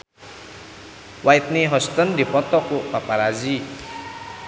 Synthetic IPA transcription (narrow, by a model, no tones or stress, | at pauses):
wait̪̚niɦɔst̪ɔndipɔt̪ɔkuʔpapaɾazi